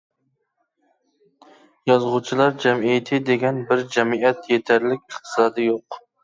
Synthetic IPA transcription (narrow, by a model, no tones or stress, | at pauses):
jɑzʁʊt͡ʃʰilˠɑɾd͡ʒɛmijɪt̪ʰɪd̪eɡʲɛnbɪɾd͡ʒɛmiɛt̪jet̪ʰæɾlɪkʲɨχt̪ʰɨ̥sɑːd̪ɨjoq